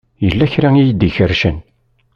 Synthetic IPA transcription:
jəlːæçɾæijəd̪içəɾʃən

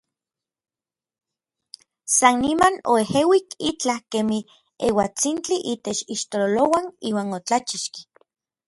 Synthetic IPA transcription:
sanːimano̰ehewikit͡ɬahkemi | ewat͡sint͡ɬiʔiːt̪et͡ʃiʃt̪ololowaniːwaːnot͡ɬat͡ʃiʃki̥

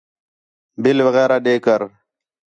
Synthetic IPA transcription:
bɪlʋəɣɛːɾaːɗeːkəɾ

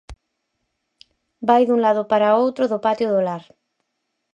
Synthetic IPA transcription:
bajðuŋlaðopaɾaowt̪ɾoðopat̪joðolaɾ

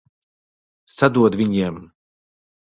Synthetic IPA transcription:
sad̪uɔd̪vʲiɲiɛm

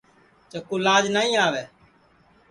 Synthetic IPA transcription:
t͡ʃəkuːlaːd͡ʒnaːĩːaːʋɛː

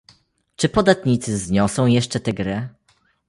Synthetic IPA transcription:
t͡ʂɘpɔd̪at̪ɲit̪sɘzɲɔsɔ̃w̃jɛʂt͡ʂɛt̪ɛɡɾɘ

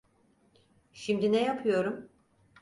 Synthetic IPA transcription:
ʃimd̪inɛjapʰɯjo̞ɾum

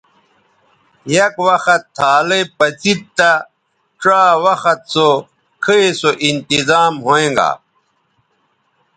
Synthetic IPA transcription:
jɐkwɐxɐt̪ʰːaːlepɐt͡sit̪̚t̪a | ʈ͡ʂaːwɐxɐt̪̚so | kʰiesoʔint̪izaːmɦoẽːŋɡa̰

